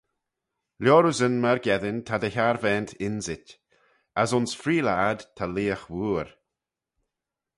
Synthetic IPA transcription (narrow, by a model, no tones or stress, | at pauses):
ljɔːɾuzənmaɹɡɛðɪnt̪ʰad̪əçaɹvɛːnt̪ʰɪnzɪt | asʊnsfɾiːlaːd̪t̪ʰaliːəxwuːɾ